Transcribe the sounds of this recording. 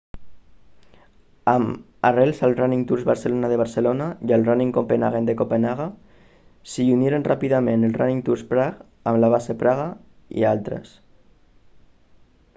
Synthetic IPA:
am | arelˠsalˠraniŋt̪uɾzβaɾselonaðeβ̞aɾselonaialraniŋkompenaɣend̪ekopenaɣa | siunjeɾenrʔapiðamẽnelraniŋt̪uɾspɾaɣ | amlaβ̞asepɾaɣa | ḭalt̪ɾə̰s

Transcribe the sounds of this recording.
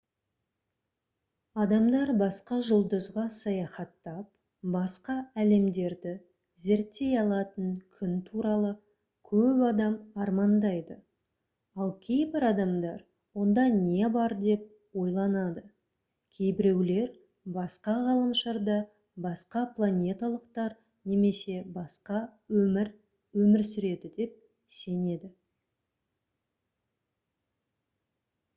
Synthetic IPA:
ɑd̪ɑmd̪ɑɾbɑsqɑʒʊlˠd̪əzʁɑsɑjɑχɑt̪ːɑp | bɑsqɑæle̞md̪e̞ɾd̪ɪ | ze̞ɾt̪ːe̞jɑlˠɑt̪əɴkʲʰʏnt̪ʰuɾɑlˠə | kʲʰɵpɑd̪ɑmɑɾmɑnd̪ɑjd̪ə | ɑlˠkʲʰe̞jbɪɾɑd̪ɑmd̪ɑɾ | wo̞nd̪ɑne̞bɑɾd̪e̞p̚ | wo̞jlˠɑnɑd̪ə | kʲʰe̞jbɪɾe̞wle̞ɾ | bɑsqɑʁɑlˠəmʃɑɾd̪ɑ | bɑsqɑplˠanʲe̞t̪alˠəqt̪ɑɾ | ne̞me̞se̞bɑsqɑwɵmɪɾ | wɵmɪɾsʏɾe̞d̪ɪd̪e̞p̚ | se̞ne̞d̪ɪ

